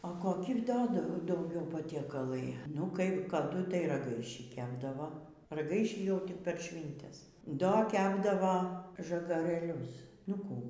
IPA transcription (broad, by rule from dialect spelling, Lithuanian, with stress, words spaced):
oː koːˈkʲɪ ˈdoː dɐʊ dɐʊˈɡʲɛʊ pɐtʲiɛˈkɑːlˠɐɪ nʊ kɐɪp kɐˈdʊ tɐɪ rɐˈɡɐɪʃʲiː ˈkʲæːbdɐʋoː rɐˈɡɐɪʃʲiː jɛʊ tʲɪk pʲɛr ˈʃʲʋʲiːnʲtʲɛs ˈdoː ˈkʲæːbdɐʋoː ʒɐɡɐrɘˈlʲʊs nʊ ˈkuː